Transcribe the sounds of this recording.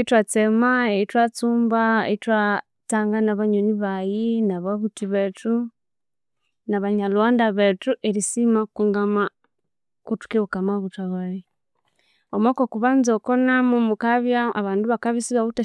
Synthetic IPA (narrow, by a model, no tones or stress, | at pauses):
eitwat͡semaeitwat͡suːmbaḛitwa | t͡saːŋɡanaβaɲoniβajinaβaβutiβetu | naβaɲalwaːndaβetuʔeɾisimakuŋɡama | kutu̥kiβukamaβutaβaɾi | omwaːkokuβanzokonamumukaβjaa̰βaːnduβakaβisiβaβuta